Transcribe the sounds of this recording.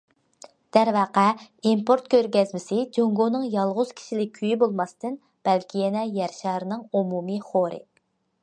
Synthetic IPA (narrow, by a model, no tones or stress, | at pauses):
d̪̥æɾvæqæimpʰoɾt̪kʲøɾɡʲɛzmɪsɪd͡ʒoŋɡonɨŋjɑlˠʁʊz̥kʲʰi̥ʃilɪk̚ʲʰːyjibolˠmɑst̪ɨn | b̥ɛlkʲʰijɛnɛjɛɾʃɑːɾɨnɨŋumumɨχoɾɨ̰